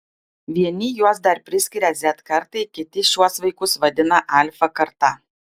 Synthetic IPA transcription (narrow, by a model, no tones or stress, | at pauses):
ʋʲiɛnʲɪjuɔsd̪ɐɾpʲɾʲɪsʲkʲɪɾʲɛzʲɛt̪kɐɾt̪ɐɪkʲɪt̪ʲɪʃʲuɔsʋɐɪkʊsʋɐd̪ʲɪnɐʔɐˑlʲfɐkɐɾt̪ɑ